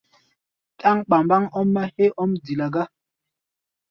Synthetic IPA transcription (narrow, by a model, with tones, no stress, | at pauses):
tʼa˦ŋɓa˨mba˦ŋɔ˦mːa˦he˦ʔɔ˦mdi˨la˨ɡa˦